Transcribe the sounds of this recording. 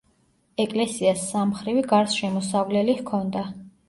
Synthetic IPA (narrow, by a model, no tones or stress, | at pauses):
ɛkʼlɛsiasːamχɾiviɡaɾsʃɛmɔsavlɛlihkʰɔnd̪a